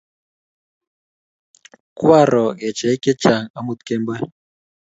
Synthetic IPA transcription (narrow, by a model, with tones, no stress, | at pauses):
kwa˦˨ɾɔ˨ɣɛ˨t͡ʃɛ˨˦kɛ˦t͡ʃa˨ŋa˦mu˦t̪kɛ˦mbɛ˦